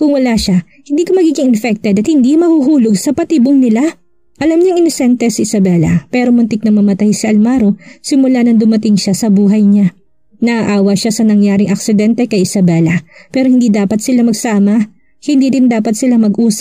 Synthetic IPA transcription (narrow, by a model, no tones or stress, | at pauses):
kʊŋwɐlaːʃa | hɪnd̪iːkomɐɡiːɡɪŋɪnfɛk̚t̪ɛd̪ɐt̪̚hɪnd̪imɐhuɦuːloɡsɐpɐt̪iboŋnɪla | ʔɐlamɲɐŋɪnosɛnt̪ɛsɐɪsɐbɛlɐ̰pɛɾomʊnt̪ɪk̚nɐŋmɐmɐt̪ajsɪʔɐlmaːɾosɪmʊlanɐŋd̪ʊmɐt̪ɪŋʃasɐbuːɦɐjɲa | nɐʔɐʔaːwɐʃasɐnɐŋjaːɾɪŋʔɐk̚sɪd̪ɛnt̪ɛkɐjʔɪsɐbɛlɐpɛːɾohɪnd̪iːd̪aːpɐt̪̚sɪlamɐɡsaːmɐ | hɪnd̪iːd̪ɪnd̪aːpɐt̪̚sɪlamɐɡʔuːs